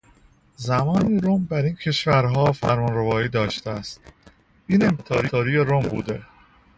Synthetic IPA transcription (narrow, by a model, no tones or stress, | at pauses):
zæmɒːniːɾombæɾiːncʰe̞ʃvæɾɦɒːfæ̰ɾmɒnɾevɒːiːd̪ɒːʃt̪eæst̪̚ | iːne̞mt̪ʰɒːɾiɒːɾijeɾombṵːd̪e̞